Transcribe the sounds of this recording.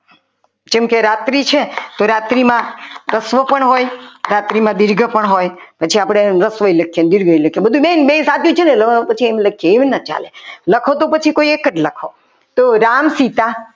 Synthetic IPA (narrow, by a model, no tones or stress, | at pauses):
d͡ʒemkeɾat̪ɾit͡ʃʰet̪oɾat̪ɾimãɾəsʋəpəɳɦojɾat̪ɾimãd̪iɾɡʱəpəɳɦojpət͡ʃʰiapəɽ̃eɾəsʋəjləkʰːiend̪iɾɡəjləkʰijẽbəd̪ʱũbenbeisat̪jũt͡ʃʰeneləpət͡ʃʰiemləkʰːijeemnət͡ʃa̰leləkʰot̪opət͡ʃʰikoiekəʈləkʰo | t̪oɾamsit̪a